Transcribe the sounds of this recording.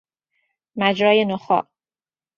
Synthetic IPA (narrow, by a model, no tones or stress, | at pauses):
mæd͡ʒɾɒːjenoxɒ̰ːʔ